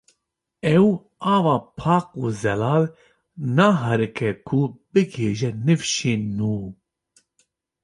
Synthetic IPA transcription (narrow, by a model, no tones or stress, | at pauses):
ɛw | ɑːvɑːpʰɑːq̚uːzɛlɑːl | nɑːɦɐɾɨkʰɛkʰub̥ɨɡeːʒɛnɨfʃeːnuː